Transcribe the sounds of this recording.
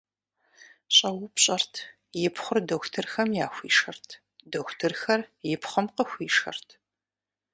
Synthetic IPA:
ɕʼɐwʊpɕʼɐrtʰ | jɪpχʷʊrdɐxʷtʰɨrxɐmjaːxʷḭːʂɐrtʰ | dɐxʷtʰɨrxɐrjɪpχɐmqəxʷiːʂɐ̰rtʰ

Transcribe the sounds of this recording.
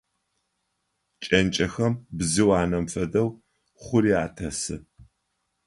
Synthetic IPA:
t͡ʃʼɐnt͡ʃʼɐxɐmbzɨwaːnɐmfɐdɐw | χʷʊɾiaːtʰɐsɨ̰

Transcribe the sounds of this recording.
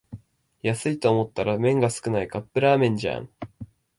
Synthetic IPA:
jasɨit̪o̞ːmo̞t̪ːaɾamẽ̞ŋɡasɨ̥kɯ̟naikapːɯ̟ɾaːmẽ̞ɲ̟d͡ʑã̰ŋ

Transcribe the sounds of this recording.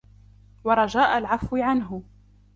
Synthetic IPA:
wɑɾˤɑd͡ʒaːʔalʕafwɪʕanɦʊ

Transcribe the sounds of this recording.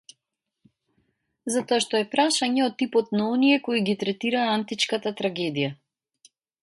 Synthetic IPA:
zat̪ɔaʃt̪ɔɛpɾaʃaɲɛɔt̪ːipɔt̪naɔnijɛkɔiɡit̪ɾɛt̪iɾaːant̪it͡ʃkat̪at̪ɾaɡɛd̪ija

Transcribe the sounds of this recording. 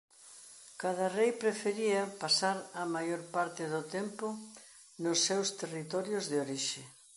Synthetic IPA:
kað̞ɐrejpɾefeɾiɐpasaɾamajoɾpaɾt̪ɪðʊt̪empʊ | nʊsːewst̪erit̪ɔɾjʊzðɪoɾiʃɪ

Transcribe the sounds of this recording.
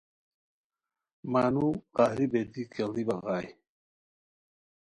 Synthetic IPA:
maːnuqaːhɾibed̪ikeld̪ibɐɣaːj

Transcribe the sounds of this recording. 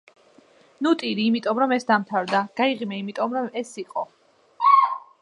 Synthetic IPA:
nut̪ʼiɾiːmit̪ʼɔmɾɔmɛsd̪amt̪ʰavd̪aɡ̥aiʁimɛimit̪ʼɔmɾɔmɛsiqʼɔ

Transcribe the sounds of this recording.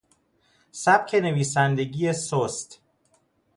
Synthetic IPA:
sæb̚cʰe̞ne̞viːsænd̪e̞ɡiːesost̪

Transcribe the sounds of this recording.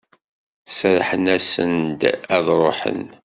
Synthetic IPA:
sɾħənæsə̰nd̪æðɾˤoħə̰n

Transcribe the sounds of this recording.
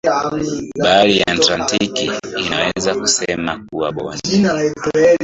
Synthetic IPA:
ɓalijaːtlantikiːnawɛɛzaku̥sɛmak̚uwaɓɔ̰naaɛtɛ

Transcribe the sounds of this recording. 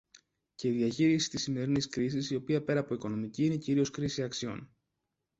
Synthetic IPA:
ce̞iðiɐçiɾisi̥t̪isime̞ɾiniskɾis̬isio̞piɐpe̞ɾɐːpo̞iko̞no̞miciine̞ciɾio̞skɾisiɐksio̞̰n

